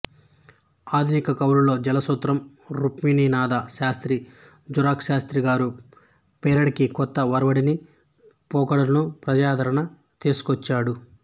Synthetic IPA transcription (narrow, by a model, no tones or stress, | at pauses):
aːd̪ʱinikɐkɐwɾulo̞ːd͡ʒɛlɐsot̪ɾɐm | ɾupmiːniːnaːd̪aʃaːst̪ɾi | d͡ʒuɾaːkʃaːst̪ɾiɡaːɾu | pɛːɾɐɽikikɔt̪ːɐʋɐɾɐʋɐɽini | pɔːkɐɽɐlɐnupɾɐd͡ʒaːd̪ʱɐɾɐɳɐ | t̪iːsu̥kɔt͡ʃːaːɽu